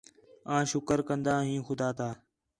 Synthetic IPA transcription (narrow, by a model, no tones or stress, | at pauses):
ãːʃʊkəɾkənd̪aːɦĩːxʊd̪aːt̪ʰaː